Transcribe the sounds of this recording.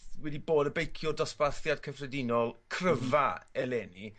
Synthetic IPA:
wɛdiboːdəbejkʰjɔdɔsbaθjad̥kʰəfrɛdɪnɔlˠkʰrəvaɛlɛːni

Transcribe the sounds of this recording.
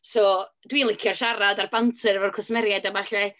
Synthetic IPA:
sɔː | d̥wiːnlˠɪkʰjɔrʃaɾadarbantʰɨrvɔrkʰʊsmɛɾjadamaɬɛ

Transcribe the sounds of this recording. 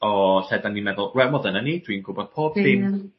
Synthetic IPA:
ɔɬɛdanːimɛðʊlˠɹɛmɔðənanid̥winɡʊbɔd̥̚pʰoːb̥sɪn

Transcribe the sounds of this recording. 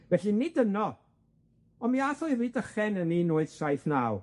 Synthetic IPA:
vɛɬinɪdənɔ | ɔmiaθɔɨviːdəχɛnəninʊːɨð̥sajθnaːw

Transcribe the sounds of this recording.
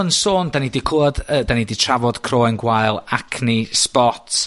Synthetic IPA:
ənsoːndanidikʰoɔdədaniditʰravɔd̥kʰroːɪnɡwajlˠakʰnispɔtʰ

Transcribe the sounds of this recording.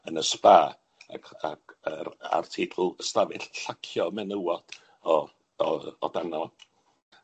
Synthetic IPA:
ənəspaː | a̰kʰakəɾa̰rtʰɪtʰʊlˠəstavɪɬɬakʰjɔmɛnəwɔd̥ | ɔ | ɔdanɔ

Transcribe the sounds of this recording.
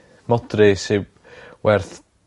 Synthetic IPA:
mɔdrisɪ | wʔɛrθ

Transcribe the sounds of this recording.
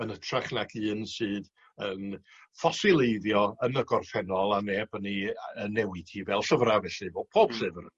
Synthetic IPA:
ənətʰraχnakʰɨːnsɨːð | ən | fɔsɪlˠejðjɔənəɡɔrfɛnɔlˠaneːbəniənːɛwɪd̥hivɛlˠɬəvravɛɬɨvo̥ːpʰoːb̥sɨvr

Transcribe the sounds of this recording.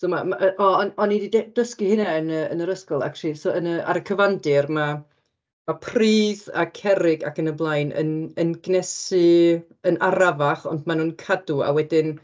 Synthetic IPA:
somamaʔəʔɔɔnɔnididd̥əskihɪnɛənəə̰nəɾəskɔlˠa̰krisoənəa̰ɾəkʰəvandɪrma | mapʰriːða̰kʰɛɾɪɡa̰kənəblˠajnə̰nənɡnɛsɨ | ənaɾavaχɔ̰ndmanuːnkʰadua̰wɛdɪn

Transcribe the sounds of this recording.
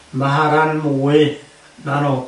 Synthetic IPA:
maɦaɡanmuwe | nano

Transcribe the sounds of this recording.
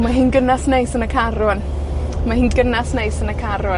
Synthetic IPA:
maɦinɡənasnejsənəkʰaɾʊn | mahiːnɡənasnejsənəkʰaɾʊ

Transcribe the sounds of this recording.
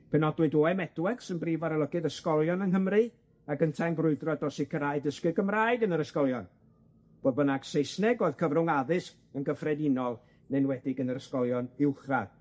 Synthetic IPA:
pʰɛnɔdwɨdoːɛmɛdwɛɡ̥sənbriːvaɾəlˠəɡɨðəskɔlˠjɔnənɦəmrɨ | akəntʰanbrʊɨdrɔdɔsikʰəɾaɨdəskɨdɡəmraɨdənəɾəskɔlˠjɔn | b̥oːðbənaɡ̥sejsnɛɡoːɨð̥kʰəvrʊŋaðɨsk | ənɡəfrɛdɪnɔlˠ | nenwɛdɪɡənəɾəskɔlˠjɔnɪwχrað

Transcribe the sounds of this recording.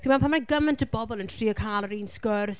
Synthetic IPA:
pʰiːmapʰanmajɡəməntʰəbɔbɔlˠəntʰriːəkʰaːlˠəɾiːnskəːɾə

